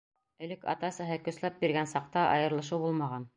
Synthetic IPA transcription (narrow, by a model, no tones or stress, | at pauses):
ɘ̆lɘkɑ̰t̪ɑsɤ̆ɦɤkɵ̆slæp̚biɾɡænsɑq̚t̪ɑʔɑ̰jɤ̆ɾlˠɤ̆ʃ̬ɤwbulˠmɑʁɑn